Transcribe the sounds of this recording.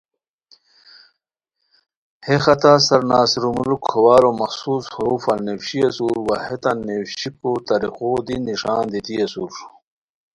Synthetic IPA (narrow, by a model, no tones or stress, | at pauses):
hexɐt̪asɐɾnaːsiɾumulukʰːowaːɾomɐxsuːshɐɾuːfɐlnːewɕiɐsuɾwɐhet̪ɐnːewɕipot̪ɐɾixoːd̪inːiʂaːnd̪it̪iɐsuɾ